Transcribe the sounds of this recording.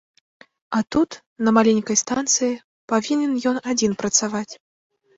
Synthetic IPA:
at̪ut̪ | nɐmalʲenʲkɐjst̪ant̪sɨji | pavʲinʲɛnjɔnad͡zʲinpɾɐt̪savat͡sʲ

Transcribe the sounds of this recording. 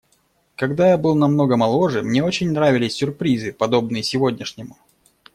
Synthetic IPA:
kɐɡd̪ajabɨlˠnɐmno̞ɡəmɐlˠo̞ʐɨmnʲe̞o̞t͡ɕɪnʲnɾavʲɪlʲɪsʲːʊrpɾʲizɨpɐd̪o̞bnɨjəsʲɪvo̞dʲnʲɪʂnʲɪmʊ

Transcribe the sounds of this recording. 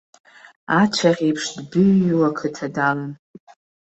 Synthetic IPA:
at͡ʃʷʰaχʲejpʰʂdbɨɥwakʰɨtʰadalɨn

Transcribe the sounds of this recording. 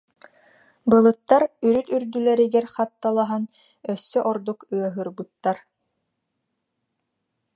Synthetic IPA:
bɯlˠɯt̪ːaɾyɾyt̪yɾd̪ylɛɾiɡɛɾχat̪ːalˠaɦan | œsːœʔɔɾd̪ukɯɐɦɯɾbɯt̪ːaɾ

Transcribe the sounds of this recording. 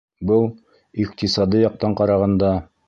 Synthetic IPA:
bɤlˠ | iqt̪isɑd̪ɤjɑq̚t̪ɑɴqɑɾɑʁɑnd̪ɑ

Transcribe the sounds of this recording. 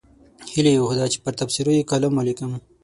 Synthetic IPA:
hilejoxud̪at͡ʃe̥pəɾt̪afsiɾojekalamolikəm

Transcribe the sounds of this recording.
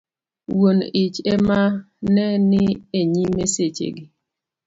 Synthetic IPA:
wonit͡ʃɛma | nɛnɪeɲimeset͡ʃḛɡɪ

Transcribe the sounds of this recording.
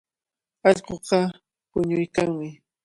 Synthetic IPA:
ɑʎqoqɑ | pʊɲʊjkaŋmɪ

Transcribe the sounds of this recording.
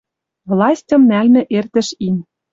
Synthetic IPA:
vlˠɑsʲtʲɤ̆mnælnɘ̆ʔert̪ɘ̆ʃimʲ

